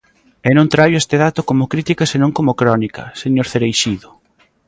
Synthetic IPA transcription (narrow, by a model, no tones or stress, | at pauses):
enõnt̪ɾajʊest̪eðat̪okomʊkɾit̪ikɐsenõŋkomokɾɔnikɐ̰seɲoɾθeɾejʃiðʊ